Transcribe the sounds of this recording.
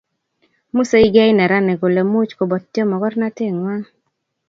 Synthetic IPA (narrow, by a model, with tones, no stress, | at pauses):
mu˦se˦i˦ɡɛ˦jnɛ˨ɾa˦nɛ˨ɡo˨le˨mu˦t͡ʃko˨bɔ˨t̪̚tjɔ˦mɔ˨ɡɔ˦rna˦tɪ˦˨ŋwa˦ŋ